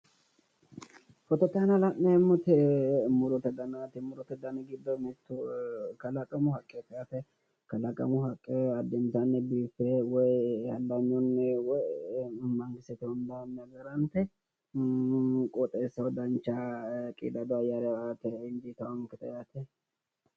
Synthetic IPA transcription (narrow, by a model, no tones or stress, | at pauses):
fɔt̪ɔt̪ːɐɐnɐlɐʔːɛɛmːʊt̪ɛmʊɾɔt̪ɛd̪ɐnat̪ɪmʊɾɔt̪ɛd̪ɐnɐɡɪd̪ːɔmɛt̪ːʊkɐlɐkʼɐmʊhɐkʼːɛt̪jat̪ɛ | kɐlɐkʼɐ̰mʊhɐkʼːɛɐd̪ːɛnt̪anːɛbiːfɛwɔjhɐlːaɲːɔnːɛwɔjmɐŋɡɪsɛt̪ɛɔnd̪anːɐɡɐɾɐnt̪ɛ | kʼɔt̪ʼɛsːɐwɔd̪ɐnt͡ʃːakʼḭːd̪ɐd̪ɔɐjaɾɛat̪ɛɪnd͡ʒ̪it̪ɐwɐŋkɪt̪ɐjat̪ɛ